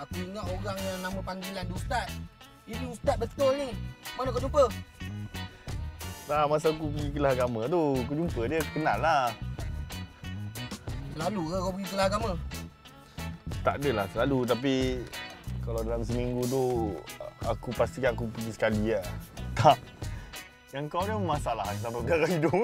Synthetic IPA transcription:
akuiŋaʔoɣaŋalaməpaŋɡilandust̪at̪̚ | iniut̪at̪̚bəst̪olnimanakad͡ʒumpə | lamas̬akup̬əɡikəlahaɡamat̪̬uk̬ud͡ʒumpədiəkənala | səlalukakawpəɡikəlahaɡamã | t̪a̰ʔdəlahsəlalut̪̬ap̬i | kalawdalams̬əmiŋɡut̪̬u | akupast̪ikanakupəɡisə̥kaliat̪aʔ | jaŋkawdəmasalaɦans̬ampabəaɡaido

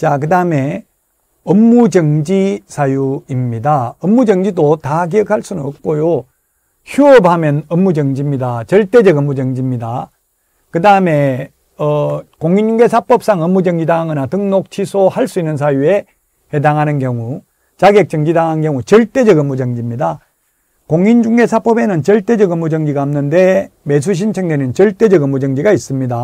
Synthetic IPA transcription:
t͡ɕakɯdaɯme̞ | ʌmːud͡ʑʌŋd͡ʑisʰajuimɲidaʌmːud͡ʑʌŋd͡ʑidotak̬iʌkʰaɭs͈unɯnʌp̚k͈ojo | çuʌbɦamjʌnʌmːud͡ʑʌŋd͡ʑimɲidat͡ɕʌɭt͈e̞d͡ʑʌɡʌmːud͡ʑʌŋd͡ʑimɲida | kɯdaɯme̞ | ʌkoŋind͡ʑuŋɡe̞sʰap͈ʌp̚s͈aŋʌmːud͡ʑʌŋd͡ʑidaŋɯnatɯŋnok̚t͡ɕʰisʰohaɭs͈uinːɯns̬ʰajue̞ | he̞daŋɦanɯnkjʌŋu | t͡ɕaɡjek̚t͡ɕʌŋd͡ʑidaŋɦankjʌŋut͡ɕʌɭt͈e̞d͡ʑʌɡʌmːud͡ʑʌŋd͡ʑimɲida | koŋind͡ʑuŋɡe̞sʰap͈ʌbe̞nɯnt͡ɕʌɭt͈e̞d͡ʑʌɡɯmːud͡ʑʌŋd͡ʑiɡaɯmnɯnde̞me̞s̬ʰuɕ̬ʰint͡ɕʰʌŋdenɯnt͡ɕʌɭt͈e̞d͡ʑʌɡʌmːud͡ʑʌŋd͡ʑiɡais͈ɯmɲida

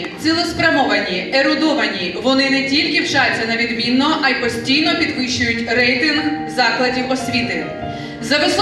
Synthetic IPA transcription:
t̪silˠʊspɾʲɐmɔʋɐnʲieɾʊd̪ɔʋɐnʲiʋɔnɪnɛtʲilʲkɪwt͡ʃajʲt͡sʲːɐnɐʋʲid̪mʲinːɔʔɐjpɔsʲtʲijnɔpʲid̪ʋɪʃt͡ʃʊjʊtʲrɛjt̪ɪnɦzɑklˠɐdʲiwɔsʲʋʲit̪ɪ | zɐʋɪs

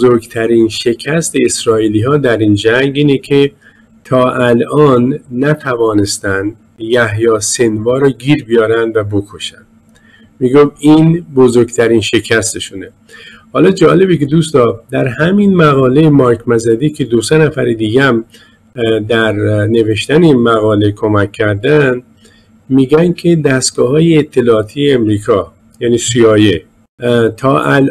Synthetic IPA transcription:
bozoɾɡt̪ʰæɾiːnʃe̞cʰæst̪e̞esɾɒːiːliːɦɒːd̪æɾiːnd͡ʒæŋɡiːnekʰe | t̪ʰɒːʔælɒːnːæt̪ʰævɒːne̞st̪ænd̪ | jæhjɒːse̞nvɒːɾɒːɟiːɾbijɒːɾænd̪væbo̞kʰo̞ʃænd̪̥ | miːɡofiːnbozoɾɡt̪ʰæɾiːnʃe̞cʰæst̪ʰeʃune | hɒːlɒːd͡ʒɒːle̞beke̞d̪ust̪ɒːd̪æɾhæminmæɣɒːle̞jemɒjkʰmæzæd̪iːkʰe̞d̪osenæfæɾed̪iːɡææm | d̪æɾne̞ve̞ʃt̪æneinmæɣɒːle̞kʰo̞mækʰːæɾd̪æn | miːɡænkʰe̞d̪æst̪ɡ̥ɒːhɒːjeːt̪ʰːe̞lɒːt̪ʰijeːmɾiːkʰɒː | jæːniːsiɒːje | t̪ʰɒːʔæl

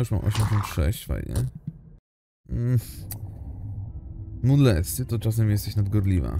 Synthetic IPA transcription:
uʂmã̰mʔɔ̰ɕɛmʲɕɔnt̪ʂɛ̰ɕt͡ɕfa̰jɲɛ̰ | mud̪lɛt̪st̪ɨt̪ɔt͡ʂas̬ɛmjɛst̪ɛɕnad̪ɡɔɾlʲiva̰

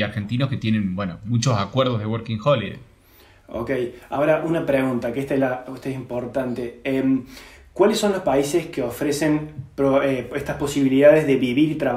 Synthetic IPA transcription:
aɾxent̪inosket̪je̞nẽnbwenomut͡ʃosakweɾðozðewoɾkiŋxoliḛ | o̰keja̰oɾaʔunapɾeɣunt̪akeest̪aelaot̪aesimpo̞ɾt̪ant̪eemkwalesːo̞nlo̞spaise̞skeo̞fɾese̞npɾoeeht̪ahpo̞siβiliðaðezðe̞βiβiɾit̪ɾa

